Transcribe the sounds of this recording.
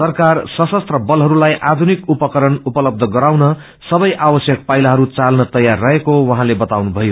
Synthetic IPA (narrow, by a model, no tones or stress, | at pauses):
sʌrkarsʌsʌst̪rʌbʌlɦʌɾulajʔad̪ʱunikupʌkʌɾʌnupʌlʌb̚d̪ʱʌɡʌɾawnʌ | sʌbʌjʔawʌsjʌk̚pajlaɦʌɾut͡salnʌt̪ʌjarːʌɦekowʌɦãlebʌt̪awnubʱʌjo